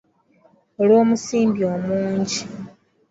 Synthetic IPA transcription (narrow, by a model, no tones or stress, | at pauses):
olwoːmusiːmbio̞muːɲɟi